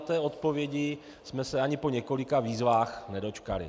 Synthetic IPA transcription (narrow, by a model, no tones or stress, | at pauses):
t̪ɛːo̞t̪po̞vjɛɟɪ | smɛsɛaɲɪpo̞ɲɛko̞lɪkaviːzvaːxnɛdo̞t͡ʃkalɪ̰